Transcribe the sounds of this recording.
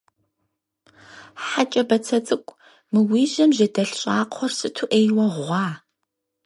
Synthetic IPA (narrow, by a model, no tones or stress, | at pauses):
ħat͡ʃʼɐbɐt͡sʰɐt͡sʼɨkʷʼ | mɨwiːʑɐmʒɐdɐɬɕʼaːqʷʰɔrsʼɨtʰuʔeːjwɐʁʷɑː